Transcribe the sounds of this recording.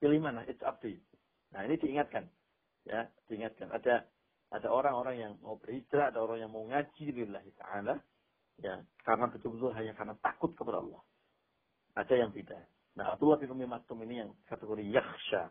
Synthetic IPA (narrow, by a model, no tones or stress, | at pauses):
ilihmanlaɦɪt̪sa̰p̚di | nahinidiːŋat̪̚kan | jad̥iiŋat̪̚kana̰da | ʔadaoɾaŋoɾaŋjaŋma̰ubərhid͡ʒɾaadaoɾaŋjaŋmauŋad͡ʒilɪlːaɦit̪a̰ʕala | ja̰kaɾənat̪ət̪ubət̪ʊlɦaɲakarnat̪akʊt̪̚kəpada̰ɑ̰lːɑh | ʔadajaŋbida | na̰ɦa̰b̚d̪ulːɑhbɪnumimat̪ʊminijaŋkat̪əɡoɾijaxʃa